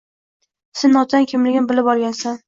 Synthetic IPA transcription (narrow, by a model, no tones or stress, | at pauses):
sɪnːɒt̪ʰankʲʰɪmlɪɡʲɪnbɪlɪpɒɾˠɡʲansan